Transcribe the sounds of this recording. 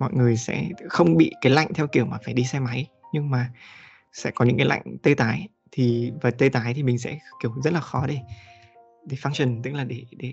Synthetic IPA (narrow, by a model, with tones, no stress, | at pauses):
mɔ̰˧˨jŋɨ˨˩əjsɛ̰˧˥xə˧wŋ͡mɓḭ˧˨kaː˨˦jla̰˧˨ŋt̪ʰɛ˧wki˧˩əwmaː˨˩faː˧˩jɗi˧sɛ˧ma˨˦j | ɲɨ˧ŋmaː˨˩ | sɛ̰˧˥kɔ˨˦ɲɨ̰˧˥ŋkaː˨˦la̰˧˨jŋ̟t̪ə˧jt̪aː˨˦j | t̪ʰi˨˩vaː˨˩t̪ə˧t̪aː˨˦jt̪ʰi˨˩mï˨˩ŋ̟sɛ̰˧˥ki˧˩əwzə˦˥t̚laː˨˩xɔ˨˦ɗe˧˩ | ɗe˧˩faː˧ŋt͡ɕə˨˩nt̪ɨ˦˥k̚laː˨˩ɗe˧˩ɗe˧˩